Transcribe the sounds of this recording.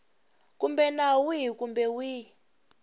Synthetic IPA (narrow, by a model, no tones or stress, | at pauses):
kumbɛnawikumbɛwi